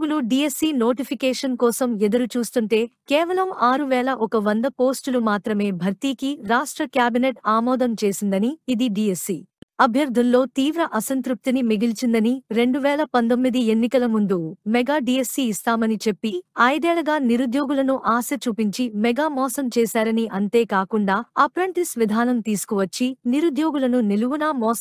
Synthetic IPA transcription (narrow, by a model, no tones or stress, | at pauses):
ɡuluɖiːesːiːno̞ːʈipʰikɛːʂɐnkɔːsɐmɛd̪ɐɾut͡ʃuːst̪uɳʈe̞ːkɛːʋɐlɐmaːɾuʋɛːɭɐʔɔkɐʋɐnd̪ɐpo̞ːsʈulumaːt̪ɾɐme̞ːbʱɐɾt̪iːkiɾaːʂʈɾɐkjaːbineʈaːmɔːd̪ɐmt͡ʃe̞ːsind̪ɐniːd̪iɖiːesːiːɐbʱjɐɾd̪ʱullːo̞ːt̪iːʋɾɐʔɐsɐnt̪ɾup̚t̪inimiɡilt͡ʃind̪ɐniɾe̞ɳɖuʋɛːlɐpɐnd̪omːid̪ie̞nːikɐlɐmund̪umɛɡaːɖijesːiist̪aːmɐnit͡ʃe̞pːiɐjd̪ɛːɭɐɡaːniɾud̪jo̞ːɡulɐnuʔaːsɐt͡ʃuːpiɲt͡ʃimɛɡaːmɔːsɐmt͡ʃɛːsaːɾɐniʔɐnt̪e̞ːkaːkuɳɖaːɐpɾɐɳʈ̪isʋid̪ʱaːnɐmt̪iːsu̥kuʋɐt͡ʃːiniɾud̪jo̞ːɡulɐnuniluʋunamɔːs